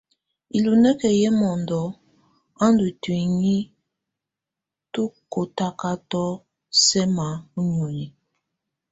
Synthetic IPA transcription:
i˨lu˨nɛ˦kɛ˨jɛ˦mɔ˨ndɔ˨˦ | a˦ndu˨twi˨ŋi˦ | tu˦ko˨ta˦ka˦tɔ˦ | sɛ˦ma˨˦u˦ɲo˨ji˨

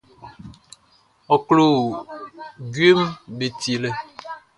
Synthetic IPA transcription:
ɔ˨klo˨ | ɡɥe˦mbe˨ti˨lɛ˨

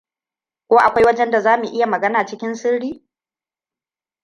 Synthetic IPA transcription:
kʷoː˦ʔa˨kʷa˦jwɐ˦d͡ʒɛ˦nda˨zaː˦mu˨ʔɪ˦ja˨mɐ˨ɡɐ˦naː˨t͡ʃɪ˦kʲɪ˦nsɪ˦ɽɽiː˦

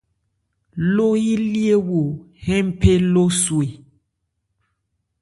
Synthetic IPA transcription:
lo˦ji˦li˦e˦wo˨ | hɛ̃˦m̩˦pʰe˦lo˦swe˨

